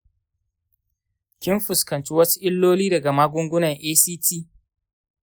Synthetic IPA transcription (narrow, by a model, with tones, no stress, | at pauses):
kʲɪ˦mɸʊ˨skɐ˨nt͡ʃi˦wɐ˦su̥˦ʔɪ˦lːoː˦liː˦dɐ˨ɡa˨maː˦ɡʷʊ˦ŋɡʷʊ˦nɐ˨ŋʔeː˦siː˦tʰiː˦˨